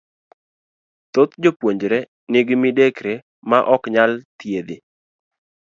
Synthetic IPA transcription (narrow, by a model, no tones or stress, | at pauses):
t̪ot̪d͡ʒopwoɲd͡ʒɾɛ | nɪɡmidekɾe | maʔɔkɲalt̪jed̪ɪ